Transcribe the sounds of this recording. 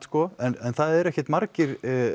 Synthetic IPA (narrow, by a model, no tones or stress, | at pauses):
skɔɛnɛnθaðɛɾɛhcjɛt̪maɾcɪɾ̥